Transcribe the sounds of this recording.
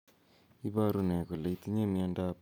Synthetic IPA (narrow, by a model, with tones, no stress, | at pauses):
i˦βa˦ɾu˨ne˨ko˨la˨i˦ti˦ɲe˦˨mi˦a˦nda˦p